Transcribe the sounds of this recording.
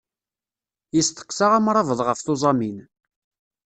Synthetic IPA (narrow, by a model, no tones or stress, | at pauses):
jist̪ə̥qːsaʁamɾˤɑvəðˤʁəfθʊzˤɑmin